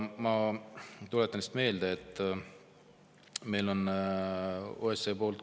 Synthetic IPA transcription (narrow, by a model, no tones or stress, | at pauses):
mɑ | t̪ulet̪ːˑɑnist̪me̞ːld̪eet̪ːˑ | me̞jlo̞n | o̰eseːpo̞ːlt̪